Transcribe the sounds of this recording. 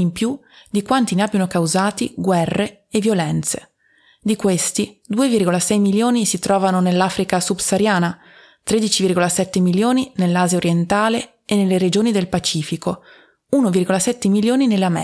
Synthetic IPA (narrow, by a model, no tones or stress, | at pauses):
impju | d̪ikwant̪ineabːjanokawzaːt̪iɡwɛrːe | evːjolɛnt̪se | d̪ikwest̪id̪uːevirɡolasɛjmiljoːnisit̪ɾɔːvanonelːaːfɾikasubsaɾjaːna | t̪ɾed̪it͡ʃivirɡolasɛt̪ːemiljoːninelːaːzjaoɾjent̪aːleː | nːelːeɾed͡ʒoːnid̪elpat͡ʃiːfiko | unovirɡolasɛt̪ːemiljoːninelːeamɛ